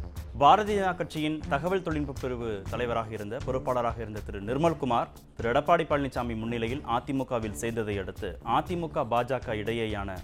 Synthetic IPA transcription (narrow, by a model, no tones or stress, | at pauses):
baːɾɐðɪnaːkːɐʈ̚t͡ʃːɪjɪnt̪ɐɣɐʋɐɭt̪ɔɭɪnbɯpːɪɾɯʋɯt̪ɐlɐɪʋɐɾaːɣɐɪɾɯnd̪ɐpɔɾɯpːaːɭɐɾaːɣɐɪɾɯnd̪ɐt̪ɪɾɯnɪɾmɐlkʊmaːɾ | t̪ɪɾɯɛɽɐpːaːɽipːɐɭnɪt͡ʃːaːmimʊnːɪlɐjɪlʔaːt̪ːɪmʊkːaːʋɪlsɛjɾnd̪ɐðɐɪɐɽɯt̪ːɯʔaːt̪ːɪmʊkːaːbaːd͡ʒaːkaɪɽɐjɐjaːnɐ̰